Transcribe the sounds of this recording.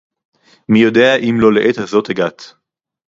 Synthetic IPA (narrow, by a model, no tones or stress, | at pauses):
mijo̞d̪eaʔimlo̞leʔet̪hazo̞t̪heɡat̪